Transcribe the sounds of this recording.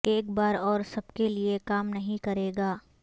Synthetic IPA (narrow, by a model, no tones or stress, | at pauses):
eːk̚baːɾɔːɾsɐbkeliekaːmnɐɦĩkɐɾeːɡaː